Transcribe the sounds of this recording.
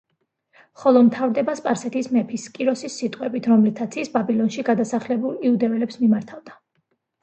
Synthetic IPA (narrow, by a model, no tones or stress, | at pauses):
χɔlˠɔmt̪ʰavɾd̪ɛbaspʼaɾsɛt̪ʰismɛpʰiskʼiɾɔsisːit̪ʼqʼwɛbit̪ʰɾɔmlit̪ʰat̪sʰisbabilˠɔnʃiɡad̪asaχlɛbulˠiud̪ɛvɛlɛpsmimaɾt̪ʰavd̪a